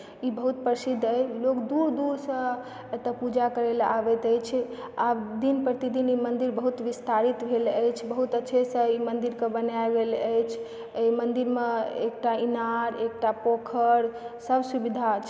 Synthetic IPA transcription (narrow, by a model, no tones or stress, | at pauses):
ibəɦut̪̚pɾəsid̪ʱːəjlokd̪uɾd̪uɾsə̃ | t̪əpud͡ʒakəɾela̰bɛt̪əjt͡ʃʰ | ad̪inpɾət̪id̪inimənd̪iɾbəɦut̪ʋist̪aɾit̪bʱeləjt͡ʃʰbəɦut̪ətːʃʰesə̃imənd̪iɾkebənaeɡeləjt͡ʃʰ | jmənd̪iɾmeḛk̚ʈainaɾek̚ʈapokʰəɾsəbsubid̪ʱat͡ʃʰ